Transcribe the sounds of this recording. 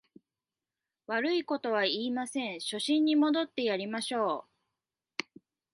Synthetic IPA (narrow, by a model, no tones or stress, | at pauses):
βaɾɯ̟iko̞t̪o̞β̞aiːmasẽ̞ɰ̃ɕo̞ɕĩɲ̟ːimo̞d̪o̞t̪ːe̞jaɾʲimaɕo̞ː